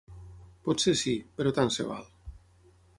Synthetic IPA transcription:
pɔt̪sesipeɾɔt̪ansḛβa̰lˠ

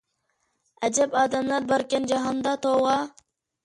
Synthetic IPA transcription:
ɛd͡ʒɛbɑːd̪ɛmlˠɑɾbɑɾkʲɛnd͡ʒɑɦɑnd̪ɑt̪ʰowʁɑ

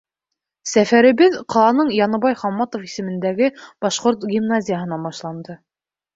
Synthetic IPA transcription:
sæfæɾɘ̆βɘðqɑlˠɑnɤɴjɑnɤ̆βɑjχɑmːɑt̪ofisɘ̆mɘ̆nd̪æɡɘb̥ɑʃqoɾt̪ɡʲimnazʲijəɦɤ̆nɑbɑʃlˠɑnd̪ɤ

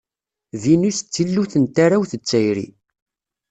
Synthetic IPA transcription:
ðinust͡sːilːuθənt̪aɾawθət͡sːæjɾḭ

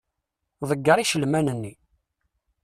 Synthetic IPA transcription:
ðˤəɡːəɾiʃəlmænənːi

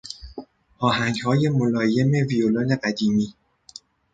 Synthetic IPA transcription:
ʔɒːɦæŋɡhɒːje̞molɒːje̞me̞violone̞ɢæd̪iːmiː

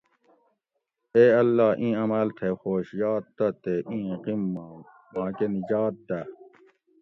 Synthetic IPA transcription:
eːɐlːaːʔĩːɐmɐlt̪ʰexoːɕjaːt̪ːɐt̪eʔĩːqimːã | mãːkenid͡ʑaːt̪̚d̪ɐ

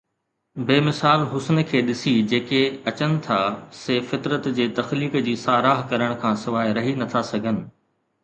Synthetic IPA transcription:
beːmɪsaːlɦʊsnə̆kʰeːɗɪsid͡ʑeːkeɐt͡ɕənɪ̆t̪ʰaseːfɪt̪ɾət̪d͡ʑeːt̪ɐxliːkd͡ʑiːsaːɾaːɦkɐɾəɽ̃̆kʰãːsɪʋaːɾɐɦinɐt̪ʰasɐɡʱənɪ̆

